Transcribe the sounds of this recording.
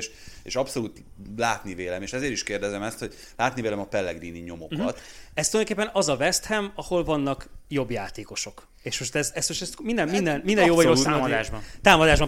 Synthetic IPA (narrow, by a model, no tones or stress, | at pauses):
ʃ | eːʃɒpso̞luːt̪laːt̪niveːlɛmeːʃɛzeːɾiʃkeːrd̪ɛzɛmɛst̪ho̞ɟ | laːt̪niveːlɛmɒpɛlːɛɡd̪iːniɲo̞mo̞kɒt̪ɛst̪uljd̪okeːpːɛnɒzɒvɛst̪hɛmɒho̞lvɒnːɒkjo̞bjaːt̪eːko̞ʃo̞k | eːʃmo̞ʃt̪ɛzɛst̪moʃt̪ɛst̪mind̪ɛmmind̪ɛnmind̪ɛnjoːvɒɾosad̪ːʒbt̪aːmɒd̪aːʒbɒm